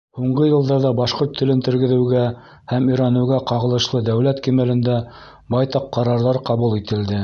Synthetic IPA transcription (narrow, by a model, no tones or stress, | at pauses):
huɴɢɤjɤ̆lˠd̪ɑɾðɑbɑʃqoɾt̪ʰːɘ̆lɘnt̪ɘ̆ɾɡɘ̆ðɘ̆wɡæ | hæmiɾɑnɘ̆wɡæqɑʁɤ̆lˠɤ̆ʃlˠɤd̪æwlæt̪kimælɘ̆nd̪æ | bɑjt̪ɑqːɑɾɑɾðɑɾqɑβulˠit̪ɘ̆ld̪ɘ